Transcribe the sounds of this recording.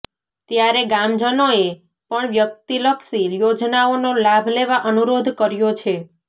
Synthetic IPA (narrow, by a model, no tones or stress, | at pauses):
t̪jaɾeɡãmd͡ʒənoe | pəɳʋjək̚t̪iləkʃiɾjod͡ʒnaonolabʱleʋaʔənuɾod̪ʱkəɾjot͡ʃʰe